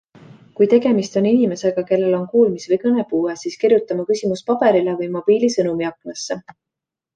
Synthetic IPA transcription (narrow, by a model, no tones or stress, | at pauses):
kujt̪e̞ɡ̥e̞mist̪o̞ninime̞se̞ɡ̥ɑke̞lːe̞lo̞nkuːlmisvɤjkɤne̞puːesiːskirjut̪ːˑɑmɑkysʲimuspɑb̥e̞ɾilevɤjmo̞b̥iːlisɤnumiɑkˑlɑsːe